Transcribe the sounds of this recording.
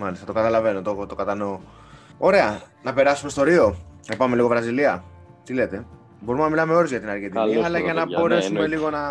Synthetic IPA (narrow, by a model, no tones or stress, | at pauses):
mɐlist̪ɐt̪okɐt̪ɐlɐve̞no̞t̪ot̪o̞kɐt̪ɐno̞ | o̞ɾe̞ɐnɐpe̞ɾɐsumest̪o̞ɾio̞nɐpɐme̞liɣo̞vɾɐziliɐ | t̪ile̞t̪e̞ | bo̞ɾumnɐmilɐme̞o̞ɾozʝɐt̪inɐɾket̪ikiɐlɐʝɐnɐbo̞ɾe̞sume̞liɣo̞nɐ